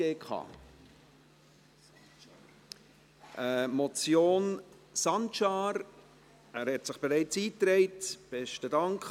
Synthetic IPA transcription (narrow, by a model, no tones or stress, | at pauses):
eːkχɑ̰ː | ʔəmɔt͡sjoːn | sɑntt͡ʃɑːɾ | æːɾhɛtsɪχb̥eɾɛɪt͡siːtɾɛɪtb̥ɛʃtədɑŋk